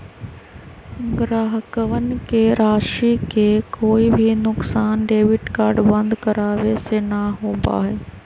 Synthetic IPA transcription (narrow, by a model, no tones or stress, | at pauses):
ɡɾaːɦəkəʋənɪ̆kʰeːɾaːʃikʰeːkoːibʱinʊksaːnɖeːʋɪʈkaːɾɖbɐ̃nd̪kɐɾaːʋesenɐɦoːmba̰ːɦeː